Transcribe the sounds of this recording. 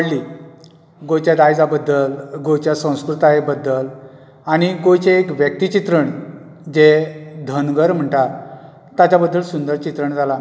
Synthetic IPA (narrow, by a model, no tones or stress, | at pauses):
əɽli | ɡot͡ɕjad̪ajd͡zabəd̪ːəlɡot͡ɕjasə̃w̃skɾut̪aebəd̪ːəl | aɽ̃iɡojt͡ɕeːkʋjək̚t̪it͡ɕit̪ɾəɳ | d͡ʑed̪ʱənɡəɾm̤əɳʈ̪aɾ | t̪at͡ɕabəd̪ʱːəlsund̪əɾt͡ɕit̪ɾəɳd͡zʱala